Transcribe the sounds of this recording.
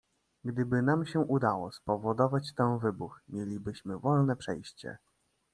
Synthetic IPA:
ɡd̪ɘbɘnamɕɛʔud̪awɔspɔvɔd̪ɔvat͡ɕt̪ɛ̃w̃vɘbuxmʲjelʲibɘɕmɘvɔlnɛpʂɛjɕt͡ɕɛ̰

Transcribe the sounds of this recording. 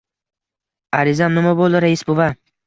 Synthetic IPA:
aɾɪzannɪmabolˠɪɾaisbʊva

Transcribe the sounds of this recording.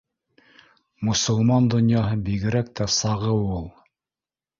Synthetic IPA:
mŏsŏlˠmɑnd̪ŏnjɑɦɤbiɡɘ̆ɾæk̚t̪ʰæsɑʁɤwulˠ

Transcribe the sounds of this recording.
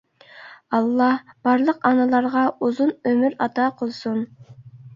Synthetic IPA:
ɑlˠːɑhb̥ɑɾlˠəqɑnɑlˠɑɾʁɑʔuzunømyɾɑt̪ɑqʰolˠsun

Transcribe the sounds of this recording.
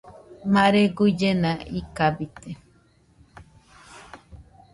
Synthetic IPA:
maɾeɡud͡ʒenãikabit̪e

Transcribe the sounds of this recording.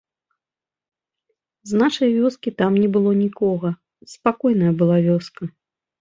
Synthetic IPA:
znaʂɐjvʲɔskʲit̪amnʲɛbɨlˠɔnʲikɔɣɐ | spakɔjnɐjɐbɨlˠavʲɔskɐ

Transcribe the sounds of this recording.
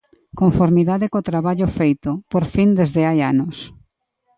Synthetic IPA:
koɱfoɾmiðaðɪkot̪ɾaβaʎʊfejt̪ʊpoɾfind̪ezðɪajanʊs

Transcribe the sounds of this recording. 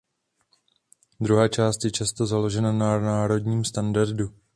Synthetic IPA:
d̪ɾuɦaːt͡ʃaːst̪jɛt͡ʃast̪o̞zalo̞ʒɛnananaːɾo̞dɲiːmst̪andaɾdu

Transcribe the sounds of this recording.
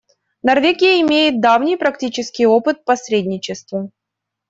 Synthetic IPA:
nɐrvʲeɡʲɪjəɪmʲejɪt̪̚d̪avnʲɪjpɾɐktʲit͡ɕɪskʲɪjopɨt̪̚pɐsɾʲedʲnʲɪt͡ɕɪst̪və

